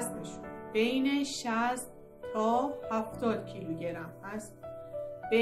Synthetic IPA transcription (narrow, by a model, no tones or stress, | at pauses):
seʃub̥ejneʃæst̪ | t̪ʰɒːhæft̪ɒːd̪̥cʰiluɟeɾæmhæst̪b̥e